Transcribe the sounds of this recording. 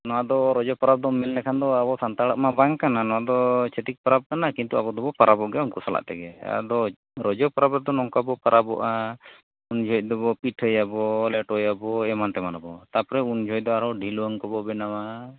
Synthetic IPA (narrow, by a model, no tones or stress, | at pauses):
nɔwad̪ɔɾɔd͡ʒɔpaɾab̚d̪ɔmɛnlɛkʰand̪ɔabɔsant̪aɽaʔmabaŋkananɔwad̪ɔt͡ʃʰɛt̪ik̚paɾab̚kanakint̪uabɔd̪ɔbɔpaɾʔabɔʔɡɛunkusala̰ʔt̪ɛɡɛa̰d̪ɔ | ɾɔd͡ʒɔpaɾabɾɛd̪ɔnɔŋkabɔpaɾʔabɔ̰ʔa | und͡ʒʱɔc̚ˀd̪ɔbɔpiʈʰəjabɔlɛʈɔjabɔɛmant̪ɛmanabɔt̪apɔɾɛund͡ʒʱɔjc̚d̪ɔaɾɔwɖʱilɔŋkɔbɔbɛnama